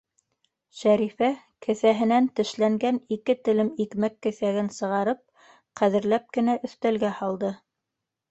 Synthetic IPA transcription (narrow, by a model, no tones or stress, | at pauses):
ʃæɾifæ | kʰɘ̆θæɦɘ̆nænt̪ɘ̆ʃlæŋɡænikɘt̪ɘ̆lɘmikmækːɘ̆θæɡɘnsɤ̆ʁɑɾɤp̚ | qæðɘ̆ɾlæp̚kɘ̆næʔɵ̆θt̪ælɡæhɑlˠd̪ɤ